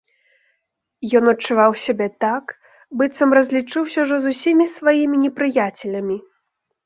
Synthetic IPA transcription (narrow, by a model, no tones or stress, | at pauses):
jɔnɐt͡ʂːuvawsʲabʲɛt̪ak | bɨt̪sɐmrɐzʲlʲit͡ʂɨwsʲɐwʐɔzusʲimʲisvajimʲinʲɛpɾɨjat͡sʲɛlʲɐmʲi